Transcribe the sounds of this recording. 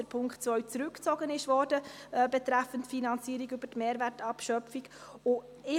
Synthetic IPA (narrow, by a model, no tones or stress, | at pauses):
əɾpʰʊŋkχtt͡svœɥt͡sɾʉkt͡sɔɡənɪʃvɔɾdəbɛt̪ɾæfəntfinɑnt͡siːɾiɡʏb̥ətmeːɾværtɑpʃœfiɡʊ | ɪ